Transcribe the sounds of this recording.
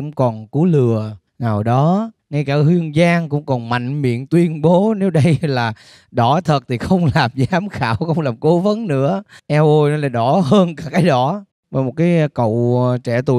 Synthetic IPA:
ʊ̰˧˥ŋ͡mkɔ˨˩nku˨˦lɨ˨˩ə | naː˨˩wɗɔ˨˦ | na˧jkaː˧˩hi˧əŋzaː˧ŋkʊ̰˧˥ŋ͡mkɔ˨˩nma̰˧˨jŋ̟mḭ˧˨ənt̪wi˧ənɓo˨˦ne˨˦wɗə˧jlaː˨˩ | ɗɔ˧˩˦t̪ʰə˨˩t̚t̪ʰi˨˩xə˧wŋ͡mlaː˨˩mzaː˨˦mxaː˧˩wxə˧wŋ͡mlaː˨˩mko˨˦və˨˦nnɨ̰˧˥əʔɛ˧wʔo˧jnɔ˨˦laː˨˩ɗɔ˧˩ɦəː˧nkaː˧˩kaː˨˦jɗɔ˧˩˦ | maː˨˩mo˨˩t̚kaː˨˦jkə̰˧˨wt͡ɕɛ˧˩t̪ṵ˧˨

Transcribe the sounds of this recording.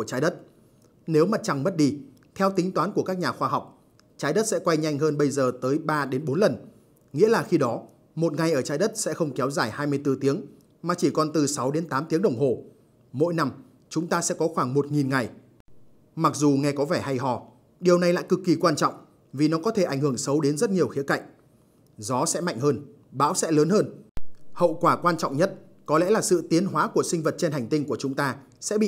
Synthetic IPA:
ku˧˩ət͡ɕaː˨˦jɗə˦˥t̚ | ne˨˦wma˨˩t̚t͡ɕa˨˩ŋmə˦˥t̚ɗi˧ | t̪ʰɛ˧wt̪ï˨˦ŋ̟t̪waː˨˦nku˧˩əkaː˦˥k̚ɲaː˨˩xwaː˧ɦa˨˩wk͡p̚ | t͡ɕaː˨˧˦jɗə˦˥t̚sɛ̰˧˥kwa˧jɲa˧jŋɦəː˧nɓə˧jzəː˨˩t̪əː˨˦jɓaː˧ɗe˨˦nɓo˨˦nlə˨˩n | ŋḭ˧˥əlaː˨˩xi˧ɗɔ˨˦ | mo˨˩t̚ŋa˨˩jʔəː˧˩t͡ɕaː˨˦jɗə˦˥t̚sɛ̰˧˥xə˧wŋ͡mkɛ˨˦wzaː˧˩jhaː˧jmɨ˧əjt̪ɨ˧t̪i˨˦əŋ | maː˨˩t͡ɕi˧˩kɔ˨˩nt̪ɨ˨˩sa˨˦wɗe˨˦nt̪aː˨˦mt̪i˨˦əŋɗə˨˧˩wŋ͡mɦo˨˩ | mo̰˧˥jna˧m | t͡ɕʊ˨˦ŋ͡mt̪aː˧sɛ̰˧˥kɔ˨˦xwaː˧˩ŋmo˨˩t̚ŋi˨˩nŋa˨˩j | ma˨˩k̚zu˨˩ŋɛ˧kɔ˨˦vɛː˧˩ha˧jɦɔ̰˧˩˨ | ɗi˨˩əwna˨˩jla̰ː˧˨jkɨ˨˩kːi˨˩kwaː˧nt͡ɕɔ̰˧˨wŋ͡m | vi˨˩nɔ˨˦kɔ˨˦t̪ʰe˧˩ʔa˧˩ŋ̟hɨ˧˩əŋsə˨˦wɗe˨˦nzə˦˥t̚ɲi˨˩əwxi˨˦əka̰˧˨jŋ̟ | zɔ˨˦sɛ̰˧˥ma̰˧˨jŋ̟həː˧n | ɓa̰ː˧˥wsɛ̰˧˥ləː˨˦nhəː˧nhə̰˧˨wkwaː˧˩kwaː˧nt͡ɕɔ̰˧˨wŋ͡mɲə˦˥t̚ | kɔ˨˦lɛ̰˧˥laː˨˩sɨ̰˧˨t̪i˨˦ənɦwaː˨˦ku˧˩əsï˧ŋ̟və˨˩t̚t͡ɕe˧nha˨˩ŋt̪ï˧ŋku˧˩ət͡ɕʊ˨˦ŋ͡mt̪aː˧ | sɛ̰˧˥ɓḭ˧˨

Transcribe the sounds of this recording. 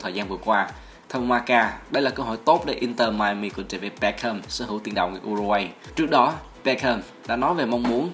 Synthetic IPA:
t̪ʰəː˨˩jzaː˧nvɨ˨˩əkwaː˧ | t̪ʰə˧wŋ͡mhwaː˧kaː˧ɗə˧jlaː˨˩kəː˧wɦo̰˧˨jt̪o˦˥t̚ɗe˧˩ʔi˧nt̪əː˧˩maː˧jmi˧˩kṵ˧˩t͡ɕə˧˩ve˨˩pɛ˧˥kʰəː˧msə̰ː˧˥˦ɦɨ˧˥˨t̪i˧˩ənɗə̰˧˨ŋ͡mŋ˧˩ʔu˧zu˧wa˧jt͡ɕɨ˦˥k̚ɗɔ˨˦ | pɛ˧kʰəː˧m | ɗa̰ː˧˥nɔ˨˦jve˨˩mɔ˧wŋ͡mmu˨˦ən

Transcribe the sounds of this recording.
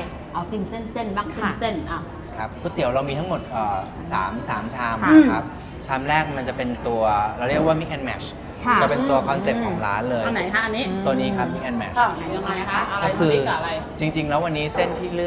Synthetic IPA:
ʔa˧wt̪i˧ŋse˥˩nse˥˩nbaː˥˩ŋkʰi˧˩˧se˥˩na˧˩ | kʰa˦˥p̚ʰːuː˦˥˩t̪i˨˩˦wɾa˧wmiː˧a˦˥ŋmo˨˩t̪̚ʔɤː˨˩ | sa̰ː˩˦msaː˩˦mt͡ɕʰaː˧˥ma˦˧a˦˥p̚ | t͡ɕʰaː˧˥mɾɛː˥˩k̚ma˧nt͡ɕa˨˩pe˧nt̪u˧ɐɾa˧wɾi˥˩ək̚waː˥˩mi˦˥k̚ʔɛ˧nmɛ̰˨˩t͡ɕʰ | a˧˩t͡ɕa˨˩pe˧t̪u˧ɐkʰɔ˧nse˨˩p̚kʰɔː˩˦˩ŋla̰ː˦˥nlɤː˧ja˧na˨˩˦jkʰa˦˥ʔa˧nːiː˦˥t̪u˧əniː˦˥kʰa˦˥p̚mi˦˥k̚ʔɛ˧nmɛ̰˨˩˨na˨˦ja˧ŋma˨˦kʰa˦˥ʔa˧ɔ˥˧˩kʰɯː˧˨˩a˧j | t͡ɕi˧ŋt͡ɕi˧ŋlɛː˦˥wa˧nːiː˦˥se˥˩nt̪ʰiː˥˩lɯ˥˩

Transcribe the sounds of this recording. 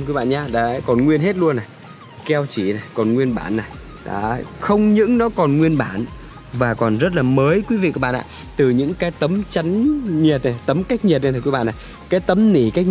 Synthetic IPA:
nki˨˦ɓa̰ː˧˨ɲaː˧ɗa̰ː˧˥kɔ˨˩nŋwi˧ənɦe˦˥t̚lu˧ənːa˨˩j | kɛ˧wt͡ɕi˧˩na˨˩jkɔ˨˩nŋwi˧ənɓa̰ː˧˩nːa˨˩j | ɗa̰ː˧˦˥xə˧wŋ͡mɲɨ̰˧˥ŋnɔ˨˦kɔ˨˩nŋwi˧ənɓaː˧˩n | vaː˨˩kɔ˨˩nzə˦˥t̬̚laː˨˩məː˨˦jkwi˨˦vḭ˧˨ku˧˩˦ɓa̰ː˧˨ʔa̰ː˧˨ | t̪ɨ˨˩ɲɨ̰˧˥ŋkaː˨˦jt̪ə˨˦mt͡ɕa˨˦ŋɲi˨˩ət̚na˨˩t̪ə˨˦mka˦˥k̚ɲi˨˩t̚ɲa˧t̪ʰːki˨˦a̰ː˧˨na˨˩j | kaː˨˦jt̪ə˨˦mni˧˩ka˦˥k̚

